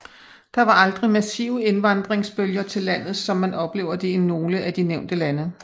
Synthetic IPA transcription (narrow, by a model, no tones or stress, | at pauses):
d̥ɑ̈ʋɑ̈ɑ̈ld̥ʁimæsḭʊəe̝nʋɑ̈nd̥ʁeŋsb̥øljɐt͡sʰe̝lːæn̰ð̞̩ˠsɒ̽mːænɒ̽b̥le̝̰ːʊ̰ɐd̥e̝ino̝ːləʔæd̥ineʊ̰nd̥əlænə